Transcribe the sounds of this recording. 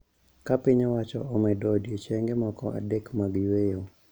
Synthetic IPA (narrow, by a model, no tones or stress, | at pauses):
kapɪɲawat͡ʃɔ̰ɔmɛdɔdiɔt͡ʃɛŋɡɛmwakɔ̰ʔa̰dɛkmaɡwɛjo